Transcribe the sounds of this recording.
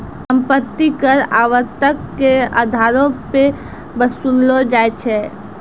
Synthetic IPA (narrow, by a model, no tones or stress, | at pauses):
səmpət̪ːikəɾaʋəɾt̪əkːeə̰d̪ʱaɾõpe | bəsulod͡ʒaet͡ʃʰɛ